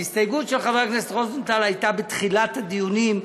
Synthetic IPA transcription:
ist̪ajɡutʃelχaveʁknestʁoznt̪alhajtabet̪χilat̪had̪ijunim

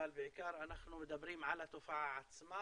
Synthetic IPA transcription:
albɪʕɪkɑːɾˤɑnaxnumɪd̪abɾiːmʕalat̪ʊfaʕʕat̪sma

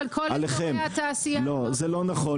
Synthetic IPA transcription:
lkʰolaleχemat̪aːsijalozɛlo̞naχo

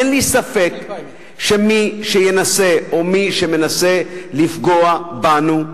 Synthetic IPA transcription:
enlisafe̞k | ʃemiʃejenase̞ʔomiʃeme̞nase̞lifɡoabanu

